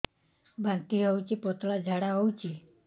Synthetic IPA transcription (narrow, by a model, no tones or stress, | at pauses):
bãnt̪iɦowt͡ʃipɔt̪lad͡ʒʱaɽaɦɔwt͡ʃi